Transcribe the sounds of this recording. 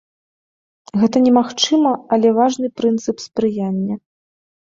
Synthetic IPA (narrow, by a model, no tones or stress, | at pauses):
ɣɛt̪ɐnʲɛmaxt͡ʂɨmɐɐlʲɛvaʐnɨpɾɨnt̪sɨpspɾɨjanʲːɐ